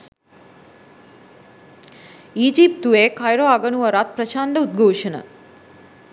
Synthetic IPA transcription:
iːd͡ʒip̚t̪uʋeːkajɾoːaɡɐnuʋɐɾaːt̪̚pɾɐt͡ʃaːnlɐud̪̚ɡʱoːʃɐnɐ̰

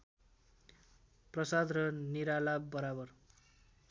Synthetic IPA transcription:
prʌsad̪rʌniɾalabːʌɾabʌr

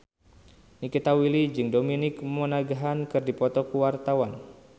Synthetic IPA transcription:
nikit̪awilid͡ʒɨŋdominɪkmɔnaɡaɦankɨrdipɔt̪ɔkuwart̪awan

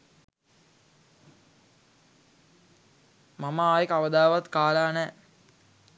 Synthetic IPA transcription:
mamaaːjəkaʋəd̪aːʋat̪kaːlaːnɛː

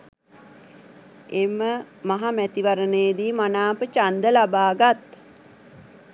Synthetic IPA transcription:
emːə | maɦamæt̪iʋaɾənejd̪iːmanaːpət͡ʃand̪əlabaːɡat̪

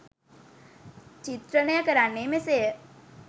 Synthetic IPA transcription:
t͡ʃit̪ɾənəjəkəɾanːemesejə

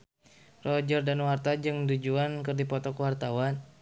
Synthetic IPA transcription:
rɔd͡ʒɔrdanwart̪ad͡ʒɨŋdud͡ʒuankɨrdipɔt̪ɔkwart̪awan

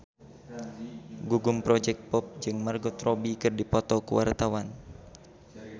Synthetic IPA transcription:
ɡuɡumpɾɔd͡ʒɛk̚t̪̚pɔp̚d͡ʒɨŋmarɡɔt̪rɔbikɨrdipɔt̪ɔkṵwʔa̰rt̪awan

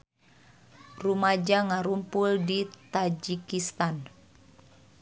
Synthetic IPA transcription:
rumad͡ʒaŋaɾumpuldit̪ad͡ʒikist̪an

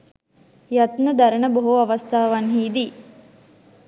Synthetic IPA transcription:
jat̪nəd̪ɐɾənəboɦuɐʋɐst̪ʰaːʋanɦiːd̪iː

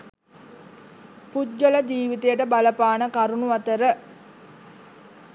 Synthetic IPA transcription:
pud͡ʒːələd͡ʒiːʋit̪ejəʈəbaləpaːnəkaɾunuʋat̪əɾə

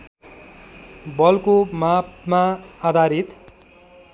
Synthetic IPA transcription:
bʌlkomapmaad̪ʱaɾit̪

